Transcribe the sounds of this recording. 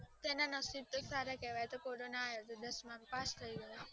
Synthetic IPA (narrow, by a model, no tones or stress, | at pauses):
t̪enanəsib̚t̪osaɾakɛʋajet̪okoɾonaːjot̪od̪əsmãmpast̪ʰəiɡəjo